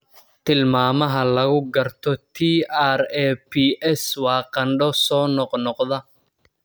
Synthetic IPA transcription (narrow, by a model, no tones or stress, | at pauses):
t̪ʰɪlmaːmɐɦɐlɐɣʊɡɐrt̪ʰɔt̪ʰiːarɛːpʰiʔɛswɑːqɐnɖɔsɔːnɔqnɔqðɐ